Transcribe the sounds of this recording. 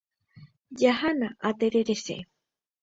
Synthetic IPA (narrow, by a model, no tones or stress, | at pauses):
jahanaʔat̪eɾeɾesḛʔ